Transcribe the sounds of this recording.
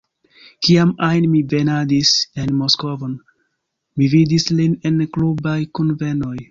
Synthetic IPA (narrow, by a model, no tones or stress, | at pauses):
kiamajnmive̞nadise̞nmo̞sko̞vo̞n | mividisline̞nklubajkunve̞no̞j